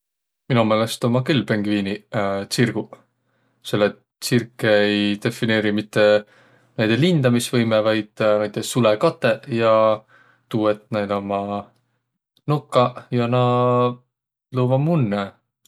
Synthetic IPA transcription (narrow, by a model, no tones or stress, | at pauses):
minume̞ːle̞st̪o̞mɑkylpeŋɡ̥viːnit̪sirɡ̥u | se̞lːet̪ | sirkːˑeejd̪̥e̞fine̞ːɾimit̪ːe̞ | næjd̪̥elind̪̥ɑmisvɤjmevɑjd̪̥næjt̪ːˑessulekɑt̪ːe̞jɑ | t̪uːet̪̚næjd̪omɑ | nokːˑɑjɑnɑ | loːvɑmunːe